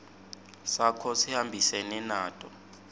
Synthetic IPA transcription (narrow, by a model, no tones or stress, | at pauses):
sakʰɔsihambʱisɛnɛnaːtʼɔ